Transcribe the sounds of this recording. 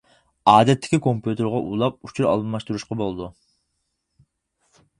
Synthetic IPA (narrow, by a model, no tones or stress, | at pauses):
ɑːd̪ɛt̪ʰːɪ̥kʲikʰompjut̪ʰɨɾʁɑʔulˠɑp̚ut͡ʃʰuɾɑ̰lˠɨmɑʃt̪uɾuʃqɑbolˠd̪u